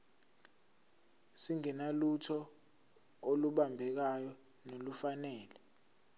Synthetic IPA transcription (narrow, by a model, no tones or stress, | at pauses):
siŋɛnalutʰɔ | oluɓambʱɛk̬ajɔ | nolufanɛːlɛ